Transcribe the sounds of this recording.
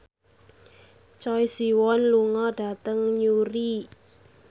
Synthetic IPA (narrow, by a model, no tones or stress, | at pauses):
t͡ʃɔjsiwɔnluŋɔɖ̥ä̤t̪əŋɲuɾi